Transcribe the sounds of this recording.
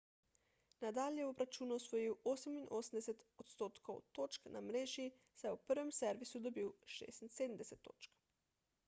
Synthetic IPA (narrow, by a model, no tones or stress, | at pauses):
nad̪aːlʲjɛobɾat͡ʃuːnuɔsʋojiwoːsəminʔoːsəmd̪ɛset̪ot̪st̪oːt̪kʰowt̪oːt͡ʃknʔa̰mɾeːʒi | sajɛupəɾʋɛmsɛɾʋisud̪obiwʃḛːst̪inseːd̪m̩d̪ɛsɛt̪ːo̰ːt͡ʃk